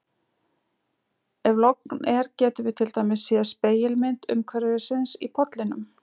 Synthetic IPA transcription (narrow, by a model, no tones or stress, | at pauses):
ɛvlɔknɛɾcɛːt̪ʏvɪt̪ʰɪlt̪aːjmɪsːjɛspeːjɪlmɪnt̪ʏ̰mkʰvɛɾɪðɪsɪnsipʰɔt̪lɪnʏm